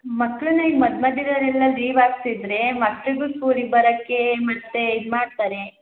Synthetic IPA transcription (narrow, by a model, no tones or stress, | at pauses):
mɐkːɭunɐiɡmɐd̪mɐd̪id̪ɐɾɛlːɐliːʋaːɡt̪id̪ɾemɐkːɭiɡuːsuːɾibɐɾɐkːe̞mɐt̪ːe̞id̪maːɽt̪aːɾe